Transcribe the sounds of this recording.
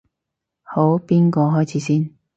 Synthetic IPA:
ho˨˥wpiː˥nkɔː˧ɦɔː˥jt͡sʰiː˨˦siː˥n

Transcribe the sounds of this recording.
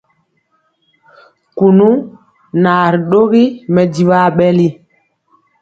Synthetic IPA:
ku˨nu˦ | na˨ɾɗo˦ɣi˦mɛ˨di˨wa˦˨ɓɛ˦li˦

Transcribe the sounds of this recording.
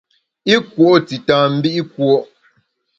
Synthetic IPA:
i˦kwo˦ti˨tãː˨m̩˦bi˦ʔi˦kwo˦ʔ

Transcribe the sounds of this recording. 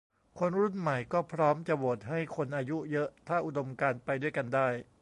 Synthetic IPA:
kʰo˧nɾu˥˩nma˨˩jkɔː˥˩pʰɾɔː˦˥mt͡ɕa˨˩woː˨˩t̪̚ɦa˥˩jkʰo˧nʔaː˧ju˦˥jɤ˦˥ʔt̪ʰaː˥˩ʔu˨˩do˧mkaː˧npa˧jdu˥˩əjka˧ndaː˥˩j

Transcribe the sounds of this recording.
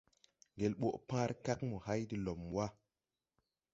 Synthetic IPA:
ŋɡe˨lɓo˦˨ʔpã˦ɾka˦kmo˨ha˦jdi˨lo˨mwa˦

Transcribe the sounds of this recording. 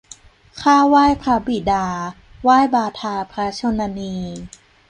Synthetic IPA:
kʰaː˥˩waː˥˩jpʰɾa˧bi˨˩daː˧ | waː˥˩jbaː˧t̪ʰaː˧pʰɾa˧˦˥t͡ɕʰo˧na˧niː˧

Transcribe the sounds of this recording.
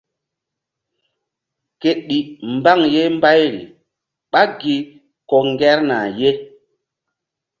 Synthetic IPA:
ke˨ɗi˨mba˦ŋje˦mba˦jɾḭ˨ | ɓa˦ɡi˨ | kɔ˨ŋɡɛ˦ɾna̰˨je˦

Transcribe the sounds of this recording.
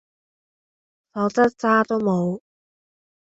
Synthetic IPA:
sɔː˨˧˥t͡sɐ˥t̚t͡saː˥t̪o˥wmo˨˧w

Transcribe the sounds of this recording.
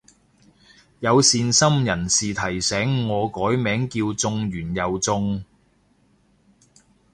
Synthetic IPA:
jɐ˨˧wsiː˨˧nsɐ˥mjɐ˨˩nsiː˨t̪ʰɐ˨˩jsɛː˨˥ŋːɔː˨˧kɔː˨˥jmɛː˨˥ŋkiː˧wt͡sʊ˧ŋɥyː˨˩njɐ˨wt͡sʊ˧ŋ

